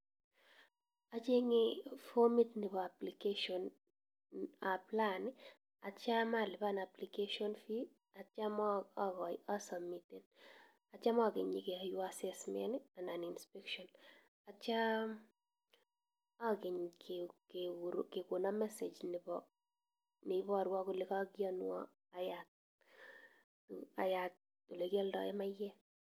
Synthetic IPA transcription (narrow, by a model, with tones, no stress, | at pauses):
a˨t͡ʃe˦ŋɪfo˦mi˦tnɪ˨bɔ˨a˨pli˨ke˦ʃɔ˨n | a˨pla˦nɪ | a˨t͡ʃa˦ma˦lɪ˨ba˦na˨plike˦ʃɔ˦nfi˦ | a˨t͡ʃa˦mɔ˦a˦ɡɔ˨ja˦sa˨mːiti˨n | a˨t͡ʃa˦mɔ˦ɡɪ˨ɲɪkɪ˨a˨ju˦asɛsmɛ̰nɪ˦ananinspɛkʃɔn | at͡ʃa˦ | akɪɲkekeɾkekunamɛsed͡ʒnɪbɔ | ne˦bɔ˦˨ɾwa˦kʊlekakjɔnwɔ̰ | ajat̚ | tua̰˨jat̚ː | u˨le˨kɛ˦ldɔ̰˨jɛmajːɛ